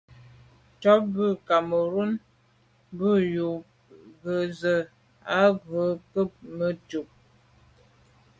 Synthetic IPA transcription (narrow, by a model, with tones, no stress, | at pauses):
tɔ˦bʉ˦˨ka˨mə˨ɾu˦n | bə˦˨ju˨ | ɡə˨zə˨ | a˦ɡə˨˦kə˦˨p̚mə˦tu˨p̚